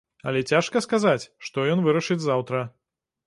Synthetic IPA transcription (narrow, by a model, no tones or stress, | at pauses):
ɐ̰lʲɛt͡sʲaʂkɐskazat͡sʲʂt̪ɔjɔnvɨɾɐʂɨd͡zʲzawt̪ɾɐ